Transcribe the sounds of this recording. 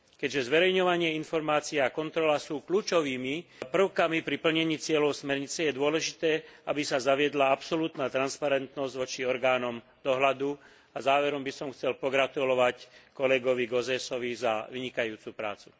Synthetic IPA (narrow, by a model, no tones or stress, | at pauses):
kɛɟʒɛzʋɛɾɛjɲɔʋaɲɪɛinfɔɾmaːt͡siɛakɔnt̪ɾɔlasuːkluːt͡ʃɔʋiːmipr̩ʊkamipɾipl̩ɲɛɲiːt͡sɪɛlɔʊsmɛɾɲit͡sɛjɛd̪ʊɔlɛʒit̪ɛːabisazaʋɪɛd̪laapsɔluːt̪naːt̪ɾanspaɾɛnt̪nɔzɟʋɔt͡ʃiɔɾɡaːnɔm | d̪̥ɔɦlad̪u | azaːʋɛɾɔmbisɔmxt͡sɛlpɔɡɾat̪ulɔʋackɔlɛɡɔʋiɡɔzɛsɔʋizaʋiɲikajuːt͡supɾa̰ːt͡su̥